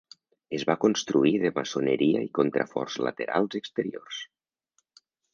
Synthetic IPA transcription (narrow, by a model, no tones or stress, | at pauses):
ezβakonst̪ɾuiðəmasonəɾiaikont̪ɾafɔ̰rzla̰t̪eɾa̰lˠzəkst̪əɾiors